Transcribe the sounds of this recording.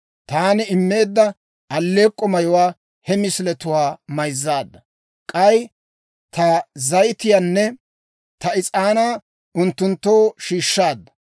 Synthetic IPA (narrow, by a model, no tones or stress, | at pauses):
t̪aːnɪɪmːe̞ːd̪ːɐ | ɐlːe̞ːkʼːɔmɐjɔwaː | hɛmɪslɛt̪ʊwaːmɐjzːaːd̪ːɐ | kʼɐj | t̪ɐzɐjt̪ɪjanːɛ | t̪ɐɪt͡sʼaːnaː | ʊnt̪ːʊnt̪ːo̞ːʃiːʃːaːd̪ːɐ